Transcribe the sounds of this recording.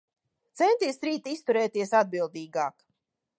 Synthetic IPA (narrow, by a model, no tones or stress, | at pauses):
t̪sɛnt̪iɛsɾiːt̪ist̪uɾɛːt̪iɛəsad̪̚bilˠd̪iːɡaːk